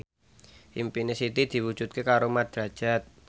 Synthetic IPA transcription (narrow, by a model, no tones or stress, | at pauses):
ʔimpinesit̪id̪̥i̤wu̥ʒ̥ut̪̚kekaɾomad̪̥ɾad̥ʒ̥a̤t̪̚